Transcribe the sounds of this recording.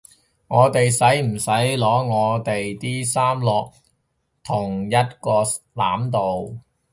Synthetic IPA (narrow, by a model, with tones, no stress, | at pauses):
ŋɔː˨˧t̪e˨jsɐ˨˥jm̩˨˩sɐ˨˥jlɔː˨˥ŋɔː˨˧t̪e˨jt̪iː˥saː˥mlɔː˨k̚ | t̪ʰʊ˨˩ŋjɐ˥t̚kɔː˧ | la̰ː˨˥mt̪o˨w